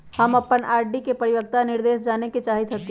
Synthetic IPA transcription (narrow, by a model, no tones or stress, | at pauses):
hɐmɐpːənaːɾɖikepɐɾɪʋək̚t̪anɪɾd̪eːʃd͡ʒaːneket͡ʃaːɦit̪ʰɐt̪i